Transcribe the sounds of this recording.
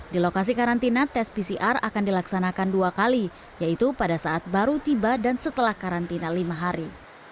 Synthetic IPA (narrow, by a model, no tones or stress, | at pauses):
dilokas̬ikaɾant̪inat̪ɛspisiʔara̰kandilaksanakanduakali | jait̪upadasaat̪̚baɾut̪ibadansət̪əlahkaɾant̪inalimaɦaɾi